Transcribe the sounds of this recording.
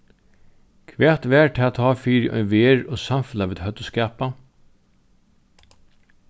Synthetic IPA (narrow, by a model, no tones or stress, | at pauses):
kʰʋɛːt̪ʋɛːʈʰɪat̪ʰɑːfiːɾʔœ̰ʏʋeːɹoːsɑmfʉlaʋeːd̪hœt̪ʊskæːpa